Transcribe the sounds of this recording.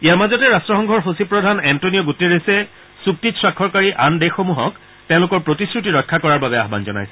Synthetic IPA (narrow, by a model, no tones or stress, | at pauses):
ijaɹmazɔtɛɹastɹɔxɔŋɡʱɔɹɦosipɹɔdʱanɛntonijɔɡutːeɹesɛ | suk̚titsɹakʰːɔɹkaɹiʔandexomuɦɔk | tɛ̃ʊ̃lʊkɔɹpɹotiskɹutiɹɔkʰːakɔɹaɹbabɛaɦba̰nzɔna̰js